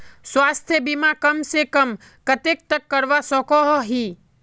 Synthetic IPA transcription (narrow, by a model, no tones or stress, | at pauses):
swaːst̪ʰjəbimakəmsekəm | kət̪ek̚t̪əkːəɾʋasɔkɔɦɔɦi